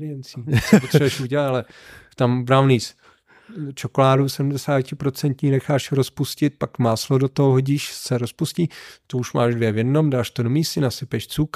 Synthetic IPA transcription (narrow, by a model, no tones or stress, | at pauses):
lɪɛnt͡siːspot̪ɾɛbuɛʃuɟɛlat̪alɛt̪ambɾavnis | t͡ʃokolaːdusɛdmdɛsaːcɪpɾot͡sɛnt̪ɲiːnɛxaːʃɾospuscɪt̪̚pakmaːslodot̪oɦoɦoɟiːʃsɛɾospusciːt̪ouʃmaːʃdvjɛvjɛdno̞mdaːʃt̪odomiːsɪnasɪpɛʃt͡suk